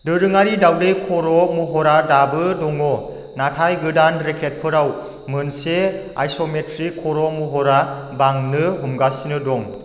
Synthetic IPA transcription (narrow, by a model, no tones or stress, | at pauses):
dɯɾɯŋaɾidawdejkʰɔɾɔmuɦɔɾadabɯdɔŋɔ | natʰajɡɯdanɾekʰet̚pʰɯɾaw | mɯnse | a̰jsometɾikʰːɔɾɔmuɦɔɾa | baŋnɯɦumɡasinɯdɔŋ